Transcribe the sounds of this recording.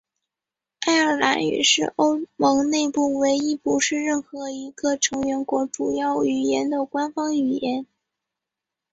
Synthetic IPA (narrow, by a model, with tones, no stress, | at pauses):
a˥˩ɪə˞˥˩la̰˧˥ny̰˨˩ʂɻ̩˥˩ʔo˥ʊmɤ˧˥ŋne˥˧ɪpu˥˩we˧˥ɪi˥pu˧˥ʂɻ̩˥˧ɻə˥˩nxɤ˧˥i˧˥ɡ̥ə˧ʈ͡ʂʰɤ˧˥ŋɥɛ˧˥nkwɔ˧˥ʈ͡ʂu˨˩jɑ˥˩ʊy˨˩jɛ˧˥nd̪ə˨kwa˥nfɑ˥ŋy˨˩jɛ˧˥n